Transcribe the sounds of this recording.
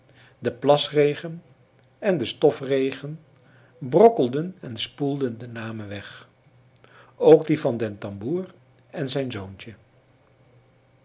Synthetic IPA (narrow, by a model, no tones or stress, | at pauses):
dəplɑsrejχən | ɛndəstɔfrejχən | brɔkəlˠdənɛnspulˠdəndənaːməʋɛχ | owɡdivɑndɛntɑmbuːr | ɛnzɛjnzownt͡ʃə